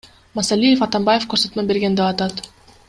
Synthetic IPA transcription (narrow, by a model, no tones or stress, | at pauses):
mɑsalʲijefɑt̪ɑmbajefkɵɾsø̞t̪møbe̞ɾɡe̞nd̪eɑt̪ɑt̪